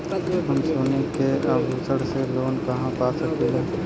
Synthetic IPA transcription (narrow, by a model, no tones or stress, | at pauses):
ɦəmsoːnekeəbɦusəɽseloːnkɐɦãpaːsəkeɦɛ̃ː